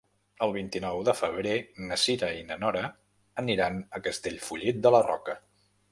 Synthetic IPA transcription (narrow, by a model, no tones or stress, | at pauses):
əlˠβint̪inɔwðəfəβ̞ɾenəsiɾəinənɔɾə | əniɾanəkəst̪eʎfuʎit̪̚d̪ələrɔ̰kə